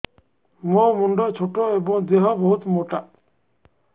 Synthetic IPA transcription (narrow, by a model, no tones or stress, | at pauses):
momuɳɖɔt͡ɕʰoʈoebɔŋd̪eɦɔboɦut̪moʈa